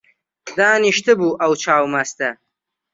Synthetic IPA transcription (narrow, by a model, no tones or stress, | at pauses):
d̪aːniʃt̪ʰɨbuːʔɐwt͡ʃʰaːwmɐst̪ɐ